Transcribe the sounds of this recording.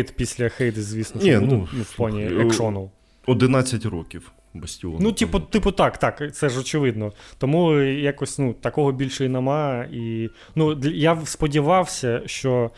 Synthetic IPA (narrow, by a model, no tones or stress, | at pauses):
jt̪pʲisʲlʲɐxɛjd̪zʲʋʲisnɔnʲinunufpɔnʲiɛkʃɔnɔwˠ | ɔd̪ɪnɑt͡sʲːɐtʲrɔkʲiw | bɐsʲtʲɪɔ̰nut̪ʲipʊt̪ɪpʊt̪ɑkt̪ɑkt̪sɛʒɔt͡ʃɪʋɪd̪nɔt̪ɔmujakɔsʲnut̪ɐkɔɦɔbʲilʲʃɔjinɐmɑi | nud̪ʲjaspɔdʲiʋɑwsʲɐʃt͡ʃɔ